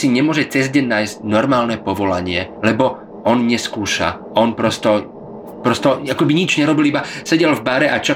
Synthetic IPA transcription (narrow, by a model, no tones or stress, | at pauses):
siɲɛmʊɔʒɛt͡sɛzɟɛnnaːjzcnɔɾmaːlnɛpɔʋɔlaɲɪɛlɛbɔ | ɔnɲɛskuːʃa̰ | ɔnpɾɔst̪ɔ | pɾɔst̪ɔakɔbiɲid͡ʒɲɛɾɔbilibasɛɟɛlvbaɾɛʔat͡ʃɔ